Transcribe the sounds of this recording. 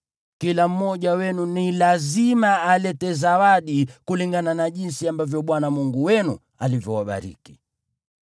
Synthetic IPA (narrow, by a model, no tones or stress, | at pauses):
kilam̩mɔʄawɛnunilazimaːlɛtɛzawaɗikuliŋɡananaʄinsiambavjɔɓwanamuŋɡuwɛnu | alivjɔwaɓa̰ɾḭki̥